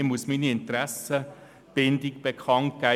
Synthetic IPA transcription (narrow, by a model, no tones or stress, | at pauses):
musminiɪnt̪ɾæsə | b̥ɪndɪkb̥ekʰɑnt̚ɡ̥æ